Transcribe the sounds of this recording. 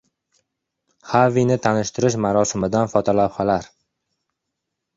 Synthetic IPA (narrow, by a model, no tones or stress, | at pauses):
havinɪt̪ʰanɪʃt̪ʰɪɾɪʃmaɾɒsɪmɪd̪anfɒt̪ʰɒlawχalaɾ